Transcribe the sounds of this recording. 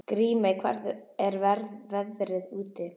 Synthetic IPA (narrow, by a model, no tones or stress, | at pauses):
kɾiːmaikʰvɛ̰ɾðɛɾvɛɾvɛðɾɪðuːt̪ɪ